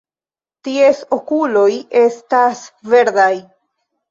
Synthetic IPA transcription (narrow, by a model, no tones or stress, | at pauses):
tie̞sokulo̞je̞stasve̞ɾd̪aj